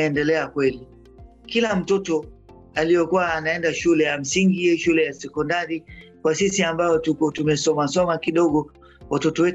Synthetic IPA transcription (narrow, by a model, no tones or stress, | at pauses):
ɛndɛlɛakwɛli | kilam̩tɔtɔ | alijɔkuwaːnaɛndaʃulɛjam̩siŋɡiɛʃulɛjasɛkɔndaɾikwasisiambajɔtukɔtumɛsɔmasɔmakiɗɔɠɔ | watɔtɔwɛ